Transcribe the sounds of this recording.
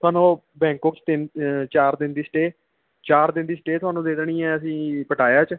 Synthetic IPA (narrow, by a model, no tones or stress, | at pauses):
t̪ʰʊaːnõː | bɛ̃ːŋkoːkt͡ʃt̪ɪnt͡ʃaːɾd̪ɪnd̪iːsʈeː | t͡ʃaːɾd̪ɪnd̪iːsəʈeːt̪ʊaːnũːd̪eːd̪ɳiːɛːəsĩːpəʈʰaːjaːt͡ʃ